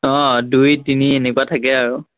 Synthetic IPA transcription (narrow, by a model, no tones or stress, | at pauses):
ɔ̃dujdinienɛkuatʰakɛaɹu